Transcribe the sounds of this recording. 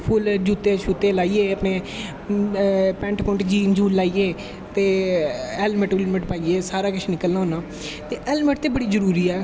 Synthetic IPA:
pʰʊld͡ʒuːt̪eːʃʰuːt̪eːlaːiːeːəpneː | pɛ̃ːɳʈpʊɳʈd͡ʒiːnd͡ʒuːlːaːiːeː | t̪eːɛːlmɪʈːlmɪʈpaːiːeːsaːɾaːkət͡ʃʰːnɪkəlnaːɦoːnãː | t̪eːʔɛːlməʈ̚t̪eːbəɽiːzəɾuːɾiːɛː

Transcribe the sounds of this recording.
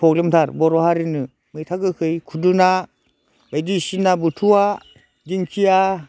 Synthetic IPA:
pʰɔk̚limtʰaɾbɔɾɔhaɾinɯ | mɯjtʰaɡɯkʰɯjkʰudɯna | bajdisinabɯtʰua | diŋkʰija

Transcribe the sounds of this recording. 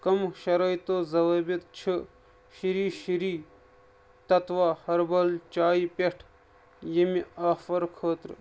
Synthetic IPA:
kɐmʃɐɾɐjt̪oːzɐʋɐbit̪̚t͡ʃʰi | ʃiɾiːʃiɾiː | t̪ɐt̪ʋaːhɐɾbɐlt͡ʃaːipʲeʈʰ | jemiaːfɐɾkʰəːt̪ɾ

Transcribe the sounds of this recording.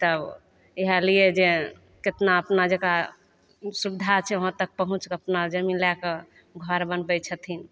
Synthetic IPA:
t̪əb | eɦəlied͡ʒe | ket̪naəpnad͡ʒeka | subd̪ʱat͡ʃʰɛɦə̃t̪ək̚pəɦũt͡ʃkəpnad͡ʒəminlakə | ɡʱəɾbənbət͡ʃʰət̪ʰin

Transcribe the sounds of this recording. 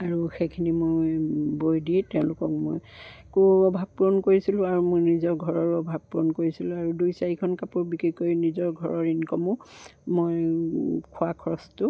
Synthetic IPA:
aɹuxekʰinimojbojdiɛtɛʊ̃lʊkɔk̚mo̰jkoɔbʱab̚pɹonkoɹisilʊ̃aɹumojnizɔɹɡʱɔɹɔɹɔbʱab̚pɹonkoɹisilʊ̃aɹudujsaɹikʰɔnkapuɹbikikojnizɔɹɡʱɔɹɔɹinkɔmʊ̃moj | kʰʊakʰɔɹɔstʊ

